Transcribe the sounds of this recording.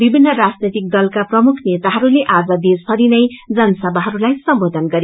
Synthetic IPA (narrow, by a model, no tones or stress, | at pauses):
bibʱinːʌrad͡znit̪ik̚d̪ʌlkaprʌmukʰnet̪aɦʌɾuleʔad͡zʌd̪espʰʌɾinʌjd͡zʌnʌsʌbʱaɦʌɾulajsʌmbod̪ʱʌnɡʌɾi